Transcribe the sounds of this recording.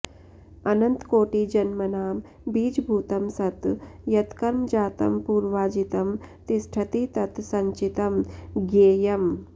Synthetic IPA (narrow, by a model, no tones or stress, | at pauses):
ɐnɐnt̪koːʈiːd͡ʒɐnmɐnaːm | biːd͡ʒbʱuːt̪ɐmsɐt̪jɐt̪kɐɾmd͡ʒaːt̪ɐ̰mpuːɾʋaːd͡ʒit̪ɐmt̪isʈʰɐt̪it̪ɐt̪sɐɲt͡ʃit̪ɐmɡeːjɐm